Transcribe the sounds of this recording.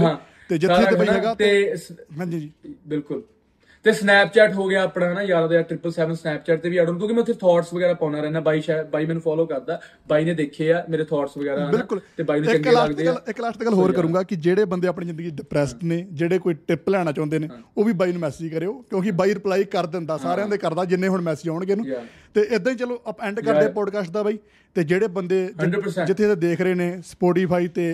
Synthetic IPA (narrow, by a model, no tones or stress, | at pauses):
ãː | t̪eːd͡ʒɪt̪ʰːbaːiːɦɛːɡaːt̪eɦãːd͡ʒiːd͡ʒiːbɪlkʊl | t̪eːsnɛːp̚t͡ʃɛːʈɦoːɡɪaːəpnaːnaːjaːɾd̪eːaːʈɾɪpːəlsɛːʋənsnɛːp̚t͡ʃɛːʈt̪eːʋiːaːɽõːk̪õːkimɛːt̪ʰeɾt̪ʰɔːʈsʋəɡɛːɾaːpaːnaːɾɛːnaːbaːiːt͡ʃɛbaːiːmɛ̃ːnũːpʰɔːloːkəɾd̪aː | baːiːnẽːd̪eːkʰːeːaːmeːɾeːt̪ʰɔːʈsʋəɡɛːɾaːbɪlkʊlt̪eːbaːinũɪlaːd̪eəlɪkːlaːʃd̪eːɡəlɦoːɾkkəɾũːɡaːkɪd͡ʒeːɽeːbənd̪eːaːp̬ɳiːd͡ʒɪ̃nd̪əɡiːɖɪpɾɛːsʈneːd͡ʒeːɽeːkoːiːʈɪplɛːɽ̃aːt͡ʃãːnd̪eːneːoːʋiːbaːiːnũːmɛːsɪd͡ʒkəɾeːoːkjõːkɪbaːiːɾɪplaːiːkəɾd̪ɪnd̪aːsaːɾãːd̪eːkəɾd̪aːd͡ʒɪnːẽːɦʊɳmɛːsɪd͡ʒaːʊɳɡeːnũ | t̪eːʔɪd̪ãːĩːt͡ʃəloːʔəpɛ̃ːɳɖkəɾd̪eːpɔːɖkaːsʈd̪aːbaːiː | t̪eːd͡ʒeːɽeːbənd̪eːd͡ʒəɾd͡ʒɪt̪ʰːeːt̪ed̪eːkʰɾəeːneːspɔːʈ̬iːpʰaːiːt̪eː